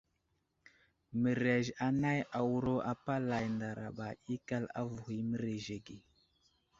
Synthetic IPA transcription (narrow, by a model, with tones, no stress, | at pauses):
mə˨ɾe˨ʒa˨na˦ja˨wu˦ɾo˦ʔa˨pa˦la˨jnda˨ɾa̰˨ɓa˨i˦ka˦la̰˦vu˨hi˨mə˦ɾe˨ʒe˨ɡi˨